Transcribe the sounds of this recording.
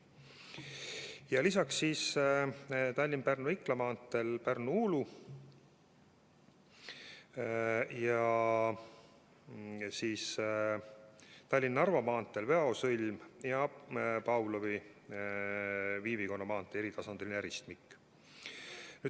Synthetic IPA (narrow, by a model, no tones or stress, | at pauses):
jɑlisɑksːiːs | t̪ɑlʲːinpærnuikːlɑmɑːnt̪ːˑelpærnuulu | jɑ | siːs | t̪ɑlʲːinːɑrvɑmɑːnt̪ːˑe̞lve̞ɑosɯlʲmjɑpɑwlovi | viːviko̞nːɑmɑːnt̪ːˑeeɾit̪ɑsɑnd̪̥elʲinæɾist̪mikːˑ | nyː